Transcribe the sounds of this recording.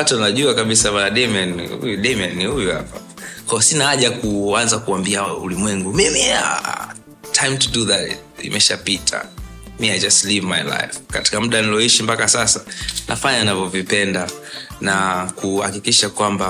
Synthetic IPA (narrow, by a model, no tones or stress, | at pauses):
watunaʄuakaɓisaɓanaɗɛmanḭṵjuɗɛmanihujuha̰pa | kwaɔsinaaʄakuanzakuambiaṵlimwɛŋɡumimia̰ | tʰajmtuduðatḭmʔɛʃapitʰa̰miajd͡ʒastlivmajla̰jfkati̥kam̩ɗanilɔiʃimpakasasanʔa̰faɲanavɔvipɛnda | nakuha̰kikiʃakwamba